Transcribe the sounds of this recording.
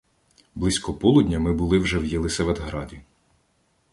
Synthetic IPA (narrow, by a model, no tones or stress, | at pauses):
blˠɪsʲkɔpɔlˠud̪ʲnʲɐmɪbʊlˠɪwʒɛwjilˠɪsɛʋɛd̪ɦɾɑdʲi